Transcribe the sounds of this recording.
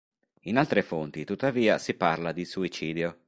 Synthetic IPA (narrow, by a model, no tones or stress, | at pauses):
inalt̪ɾefont̪it̪ut̪ːaviːasiparlad̪isuit͡ʃiːd̪jo